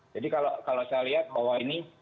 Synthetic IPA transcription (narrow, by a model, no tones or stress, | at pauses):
d͡ʒadikalokalosajaliɦat̪̚bawaini